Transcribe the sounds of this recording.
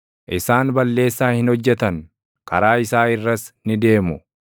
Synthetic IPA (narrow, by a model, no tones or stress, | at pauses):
ʔɪsaːnbɐlːe̞ːsːaːhɪnhɔd͡ʒːɛt̪ɐŋ | kɐɾaːɪsaːɪrːɐsnɪd̪e̞ːmʊ